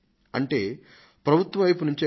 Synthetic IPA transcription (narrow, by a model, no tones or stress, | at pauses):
ɐ̰ɳʈe̞ː | pɾɐbʱut̪ʋɐʋɐjp̬unuɲt͡ʃeː